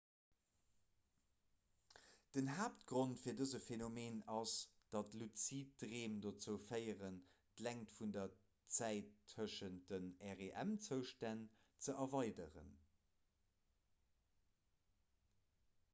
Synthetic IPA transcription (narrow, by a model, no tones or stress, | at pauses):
d̥ənɦaːp̚tɡ̥ʁontfiːɐdəzəfenomeːnɑsd̥ɑtlut͡sit̚dʁeːmdot͡səʊfɜɪəʁən | dlæŋtfundɐ | t͡sæɪtʰːəʃən̚d̥ənɛʁeʔæmt͡səʊʃtæn | t͡səʔɐvɑɪdəʁə̰n